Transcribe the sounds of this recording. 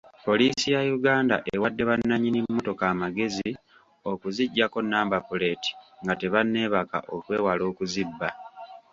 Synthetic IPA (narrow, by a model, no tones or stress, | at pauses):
po̞lisijajuɡaːnda̰ʔeewadːe̞βanːaɲinimːo̞to̞kaːmaɡe̞zi | o̞kuziɟːako̞nːaːmbapule̞ti̥ŋɡate̞βanːe̞ːβaka̰ʔo̞kwe̞ːwalo̞ːkuzibːa